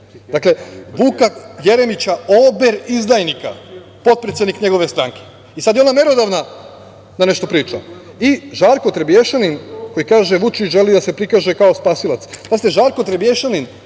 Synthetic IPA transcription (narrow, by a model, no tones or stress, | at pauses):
d̪akle̞bukaje̞ɾe̞mit͡ɕaobeɾizd̪ajnika̰ | po̞t̪̚pɾet̪sje̞d̪nikɲe̞ɡo̞ʋe̞st̪ɾaŋke̥ | isad̪jeo̞name̞ɾod̪aʋna | d̪ane̞ʃt̪o̞pɾiːt͡ʃa | iʒaɾko̞t̪ɾebjeʃaninko̞jikaːʒe̞ʋut͡ʃiʒe̞lid̪ase̞pɾikaːʒe̞kaospaːsilat̪spazit̪e̞ʒaɾko̞t̪ɾebje̞ʃanin